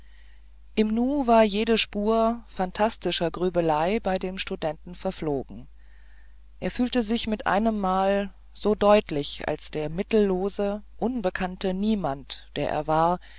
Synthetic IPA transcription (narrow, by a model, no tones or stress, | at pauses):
ʔɪmnuːvaːɐjeːdəʃpuːɐfantʰastɪʃɐɡʁyːbəlaɪbaɪdeːmʃtudɛntn̩fɛɐfloːɡŋ̩ | ʔeːɐfyːltəzɪçmɪtʔa̰ɪnəmːaːl | z̥oːdɔʏtlɪçʔa̰lsd̥eːɐmɪtl̩ːoːzəʔʊnbəkʰantəniːmantd̥eːɐʔḛːɐvaːɐ